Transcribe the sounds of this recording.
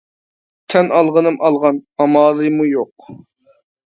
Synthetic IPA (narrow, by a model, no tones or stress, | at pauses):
t̪ʰɛnɑlˠʁənɨmʔɑlˠʁɑnɑmɑːlˠɨmujoq